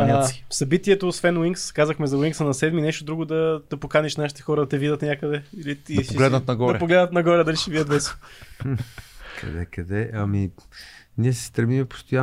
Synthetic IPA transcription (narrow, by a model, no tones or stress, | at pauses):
aisɐbit̪iɛt̪oːsvɛnwiŋkskazəxmɛzɐwiŋksɐnɐsɛd̪minɛʃt̪od̪ɾuɡod̪ɐd̪̥ɐpokanɛʃnaʃi̥t̪ɛxɔɾɐd̪ɐt̪ɛvid̪ət̪nʲakəd̪ɛilit̪id̪poɡlɛd̪nət̪nɐɡɔɾd̪ɐɛpoɡlɛd̪nɐt̪nɐɡɔɾɛd̪ɐliʃɛvid̪əd̪vɛs | kʰɐ̰d̪ɛ̰kɐd̪ɛɐmi | niɛsɛ̥st̪ɾɛmimɛpo̥st̪oja